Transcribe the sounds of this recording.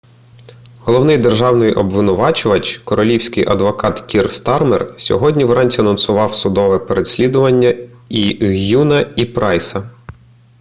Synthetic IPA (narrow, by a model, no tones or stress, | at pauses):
ɦɔlˠɔwnɪjd̪erʒɑwnɪjʔɔbʋɪnʊʋɑt͡ʃʊʋɐt͡ʃkɔɾɔlʲiwsʲkɪjʔɐ̰d̪ʋɔkɑt̪kʲirst̪ɑrmersʲɔ̰ɦɔdʲnʲiʋɾɑnʲt͡sʲiɐnɔnsʊʋɑwsʊd̪ɔʋɛpeɾe̥sʲlʲid̪ʊʋɐnʲːɐiɦjunɐipɾɑjsɐ